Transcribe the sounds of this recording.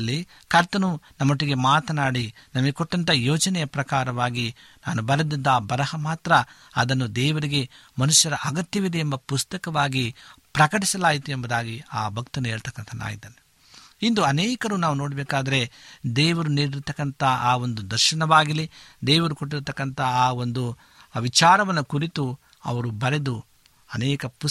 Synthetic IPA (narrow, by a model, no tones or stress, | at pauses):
lːi | kʰɐɾt̪ɐnunɐmːoʈːiɡe̞maːt̪ɐnaːɽinɐmɐɡekoʈːɐnt̪ɐjoːd͡ʒɐnɛjɐpɾɐkaːɾɐʋaːɡi | naːnubɐɾɐd̪id̪ːɐːbɐɾɐhɐmaːt̪ɾɐ | ɐd̪ɐnːud̪ɛːʋɐɾiɡe̞mɐnuʃjɐɾɐʔɐɡɐt̪jɐʋid̪ɛembɐpust̪ɐkɐʋaːɡipɾɐkɐʈisɐlaːjit̪uembɐd̪aːɡiaːbʱɐk̚t̪ɐnːue̞ːɭt̪ɐkːɐnt̪ʰɐna̰ːjid̪ɐnu | ind̪uɐnɛːkɐɾuːnaːʋuno̞ːɽɐbɛːkaːd̪ɐɾe̞d̪ɛːʋɐɾuniːɽiɾt̪ɐkːɐnt̪ʰɐaːo̞nd̪ud̪ɐɾʃɐnɐʋaːɡilid̪ɛːʋɐɾukoʈːiɾt̪ɐkːɐnt̪ʰɐaːo̞nd̪u | ʋit͡ʃaːɾɐʋɐnːɐkuɾit̪u | ɐ̰ʋɐɾubɐɾe̞d̪u | ɐnɛːkɐpu